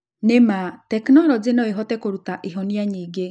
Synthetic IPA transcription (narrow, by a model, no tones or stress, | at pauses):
nematɛknɔɾɔd͡zenɔeɦɔtɛkoɾutaʔiɦɔniaɲiːɡe